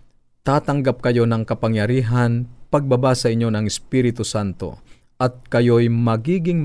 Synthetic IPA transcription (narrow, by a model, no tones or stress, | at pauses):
t̪aːt̪ɐŋɡap̚kɐjo̞nɐŋkɐpaŋjɐɾiːɦanpɐɡ̚babasɐʔɪɲːo̞nɐŋɪspiːɾɪt̪ʊsant̪o̞̰ | ʔɐt̪̚kɐjojmɐɡiːɡɪŋ